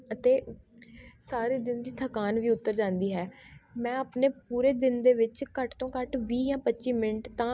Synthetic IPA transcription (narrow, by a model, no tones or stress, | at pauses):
ət̪eː | saːɾeːd̪ɪnd̪iːt̪ʰəkaːnʋiːʊt̪ːəɾd͡ʒãːnd̪iːɦɛːmɛ̃ːəpneːpuːɾeːd̪ɪnd̪eːʋɪt͡ʃkəʈt̪õːkəʈʋiːjãːpətːʃiːmɪnʈt̪ãː